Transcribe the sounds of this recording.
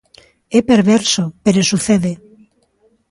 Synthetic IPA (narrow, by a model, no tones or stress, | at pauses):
epeɾβ̞eɾsopeɾosuθeðe